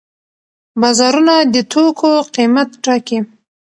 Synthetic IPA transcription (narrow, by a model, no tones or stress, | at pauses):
bɑzɑɾunad̪ət̪ʰokʰoqimat̪ʈaki